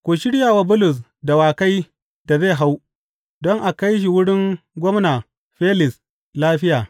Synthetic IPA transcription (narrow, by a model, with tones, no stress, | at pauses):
kʷo˨ʃɪ˦ɽjaː˨waː˦bʊ˦lʊ˨s̬ | da˨waː˨ka˦j | d̥a˨ze˦˨ɦa˦w | dɔ˦ŋʔa˨ka˦jʃ̬i˨wʊ˦ɽɪ˦ŋɡʷɔ˦mnaː˨ | ɸeː˦lɪ˨s | laː˦ɸɪ˦jaː˨